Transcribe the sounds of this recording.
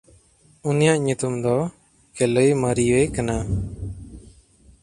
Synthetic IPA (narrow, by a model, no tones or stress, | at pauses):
unijaʔɲut̪umd̪ɔ | kɛləjməɾiwekana